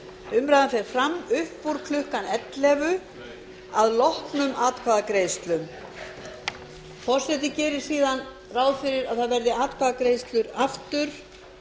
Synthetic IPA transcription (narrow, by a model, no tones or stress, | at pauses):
ʏmɾajðanfɛɾɾ̥fɾamːʏhpːuɾ̥kʰlʏhkanɛt̪lɛvʏ | aðlɔhpnʏmaːt̪̚kʰvaːðakɾeːjst̪lʏm | fɔr̥sɛt̪̬ɪcɛːɾɪɾ̥siːðan | raːwðfɪɾɪɾaðθaðvɛɾðɪaːt̪̚kʰvaːðakɾeːjst̪lʏɾaft̪ʏɾ̥